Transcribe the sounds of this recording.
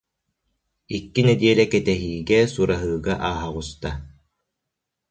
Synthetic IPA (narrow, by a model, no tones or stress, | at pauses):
ikːinɛd̪iɛlɛkɛt̪ɛɦiːɡɛsuɾaɦɯːɡaʔaːɦaʁust̪a